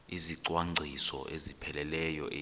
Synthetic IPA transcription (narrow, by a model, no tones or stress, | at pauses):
iziǀwaŋ͡ǀʱisɔ̰ʔezipʰɛlɛlɛjɔʔe